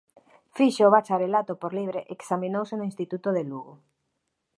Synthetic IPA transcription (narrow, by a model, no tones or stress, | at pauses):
fiʃeoβat͡ʃaɾelat̪opoɾliβ̞ɾeʔeksaminowsenoĩnst̪it̪ut̪oðeluɣo